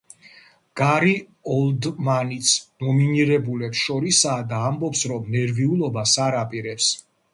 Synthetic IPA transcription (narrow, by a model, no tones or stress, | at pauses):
ɡ̥aɾi | ɔld̪manit̪sʰnɔminiɾɛbulɛpsʃɔɾisaːd̪aːmbɔpsɾɔmnɛɾviulˠɔbasaɾapʼiɾɛps